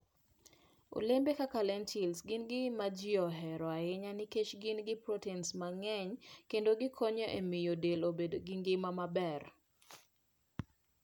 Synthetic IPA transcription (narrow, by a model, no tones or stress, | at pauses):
o̰lembekakalɛntʰilsɡɪnɡɪmad͡ʒɪɔɦɛɾɔaɪɲanɪket͡ʃɡɪnɡɪpɾotɛnsmaŋɛɲkendoɡɪkʰoɲoʔemɪjodelobedoɡɪŋɡɪmamabɛr